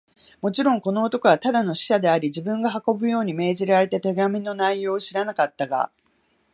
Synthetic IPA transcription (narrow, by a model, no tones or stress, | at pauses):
mo̞t͡ɕiɾõ̞ŋko̞no̞ːt̪o̞koβat̪ad̪ano̞ɕi̥ɕad̪e̞aɾʲid͡ʑibɯ̟̃ŋɡaɦako̞bɯ̟jo̞ːɲ̟ime̞ːʑiɾaɾe̞t̪e̞t̪e̞ɡamʲino̞naijo̞ːɕiɾanakat̪ːaɡa̰